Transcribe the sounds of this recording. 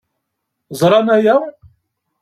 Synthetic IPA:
zˤɾˤɑnæjæw

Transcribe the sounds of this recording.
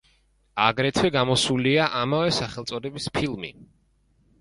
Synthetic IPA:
aɡɾɛt̪ʰwɛɡamɔsuliaʔamavɛsaχɛlˠt̪sʼɔd̪ɛbispʰilˠmḭ

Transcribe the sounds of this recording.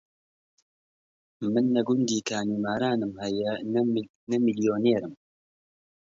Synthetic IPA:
mɨnːɐɡʊnd̪iːkʰaːnuːmaːɾaːnɨmhɛjɛ | nɐmilijoːneːɾɨm

